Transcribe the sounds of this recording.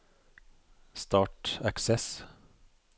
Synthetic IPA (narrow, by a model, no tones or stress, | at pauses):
st̪ɑːʈæksɛs